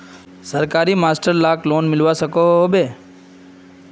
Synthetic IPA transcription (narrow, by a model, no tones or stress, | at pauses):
səɾkaːɾimaːsʈəɾlaklonmɪlʋasəkoɦɦobe